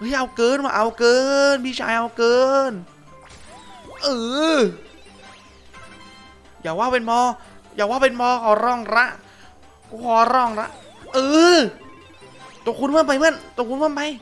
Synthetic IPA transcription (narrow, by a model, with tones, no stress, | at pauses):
ʔɯ˨˧˥jʔa˧wkɤː˧nwaː˧˩ʔa˧wkɤː˧nmiː˧˥˩t͡ɕʰa̰ː˧˩jʔa˧wkɤː˧n | ʔɤː˨˧ | jaː˨˩k̚waː˧˥˩pe˧nmɔː˧jaː˨˩k̚waː˥˩wpe˧nbɔː˧kʰɔː˧˩ɾɔː˥˩ŋɾa˦˥ʔ | ku˧˩kʰɔː˧˩ɾɔː˧˥˩ŋɾa˦˥ʔ | ʔɤː˧ | t̪o˨˩˦kʰu˧nmaː˧˥˨mpa˧jma˧˥˩nt̪o˧˦kʰu˧nmaː˧˥˨npa˧j